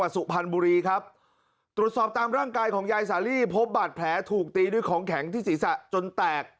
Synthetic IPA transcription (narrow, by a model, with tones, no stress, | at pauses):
a˨˩t̪̚su˨˩pʰa˧nbuː˧ɾiː˧kʰa˦˥p̚ | t̪ɾu˨˩ət̪̚sɔː˨˩p̚t̪aː˧mɾaː˥˩ŋkaː˧jkʰɔː˩˦ŋjaː˧jsaː˩˦liː˥˩pʰo˦˥p̚baː˨˩t̪̚pʰlɛː˩˦t̪ʰuː˨˩k̚t̪iː˧duː˧jkʰɔː˩˦ŋkʰɛ˩˦ŋt̪ʰiː˥˩siː˨˩˦sa˨˩t͡ɕo˧nt̪ɛː˨˩k̚